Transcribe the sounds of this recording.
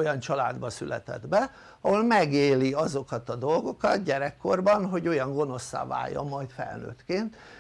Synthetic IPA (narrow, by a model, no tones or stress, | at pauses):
ojɒnt͡ʃɒla̰ːd̪bɒsylʔɛ̰t̪ɛ̰d̪bɛ | ɒɦo̞lmɛɡeːliɒzo̞kɒt̪ɒd̪o̞lɡo̞kɒt̪ɟɛɾɛkːo̞rbɒnɦo̞ɟo̞jɒŋɡo̞no̞sːa̰ːva̰ːjjːɒ̰mːɒjt̪fɛ̰lnø̰ːt̪keːnt̪